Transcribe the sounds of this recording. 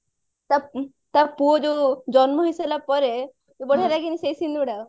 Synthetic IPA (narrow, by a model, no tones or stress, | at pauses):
t̪a | t̪apuod͡ʑod͡ʑɔnməɦiselapɔɾe | obəɽ̤ʱaɾaɡinisejsind̪uɽaw